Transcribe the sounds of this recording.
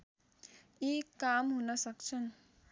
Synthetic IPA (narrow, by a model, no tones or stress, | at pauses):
ikamɦunʌsʌkt͡ʃʰʌn